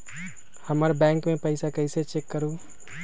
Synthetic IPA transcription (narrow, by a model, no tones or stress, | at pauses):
həməɾbɛ̃ːŋkmẽpəɪsakəɪset͡ʃekːəɾu